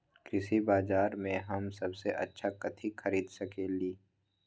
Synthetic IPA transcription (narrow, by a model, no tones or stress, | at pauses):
kɾɪsibaːzaːɾmẽɦɐmsɐbseʔɐ̰tːʃʰakɐt̪ʰixʰɐɾiːd̪sɐkeːliː